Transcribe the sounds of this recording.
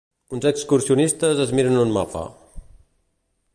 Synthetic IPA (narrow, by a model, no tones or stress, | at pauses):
unzəkskursiunist̪əzəzmiɾənunma̰pa̰